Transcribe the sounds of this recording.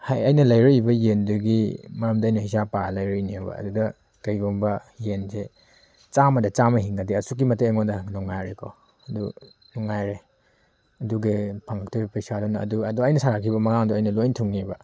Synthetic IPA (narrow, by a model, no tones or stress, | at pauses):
hajɐjnɐlɐjɾoibɐjenduɡimɐɾɐmdɐjnɐhisapalɐjɾɔiniebɐ̰ɐ̰dudɐ | kajɡoŋbɐjense | t͡ʃamɐdɐt͡ʃamɐɦiŋɡadiɐsuk̬ːimɐtejaŋodɐnɔŋːajɾekʰɔ | ɐdṵ | nɔŋːajɾe | ɐduɡepʰaŋɡak̚tʰɔbɐpɐjsadɔnɐ̰ːduɐduɐjnɐsaɾakʰibɐmɐɡaŋduɐjnɐlojntʰuŋːebɐ